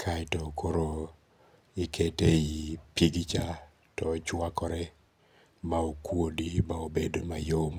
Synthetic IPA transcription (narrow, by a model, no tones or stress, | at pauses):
kʰatɔkoɾo | ɪkʰeteipiɡit͡ʃa | tɔt͡ʃwakɔɾɛ | maokwodimaobedomajom